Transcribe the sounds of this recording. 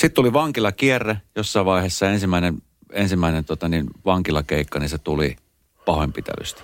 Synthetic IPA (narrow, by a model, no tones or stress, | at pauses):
sit̪t̪uliʋɑŋkilɑkierːejosːɑˑiʋɑˑiheːˑsːɑensimːˑæˑinen | ensimːˑæˑinent̪uot̪ɑninʋɑŋkilɑkeikːɑninset̪ulḭ | pɑhoempit̪æ̰ly̰st̪æ̥